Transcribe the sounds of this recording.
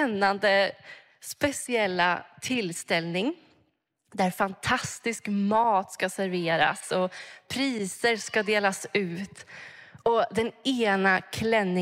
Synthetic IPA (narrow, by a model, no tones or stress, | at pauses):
ɛnːand̪ə | spɛsɪɛlːa̰t̪ʰɪlst̪ɛlnɪŋ | d̪æɾfant̪ʰast̪ɪskmɑːt̪skasæɾveːɾa̰sɔpʰɾiːsəɾskad̪eːlasʉ̟ːt̪ | ɔd̪ɛneːnakʰlɛnːɪ